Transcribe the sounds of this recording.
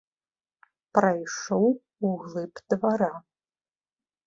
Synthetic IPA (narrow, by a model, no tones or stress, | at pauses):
prajʂow | uɣlˠɨpʰd̥vaɾa